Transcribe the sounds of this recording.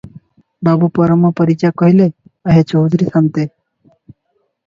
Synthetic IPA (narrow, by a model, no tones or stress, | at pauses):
babupɔɾəmɔpəɾit͡ʃakɔɦile | aɦet͡ʃɔwd̪ʱuɾisant̪e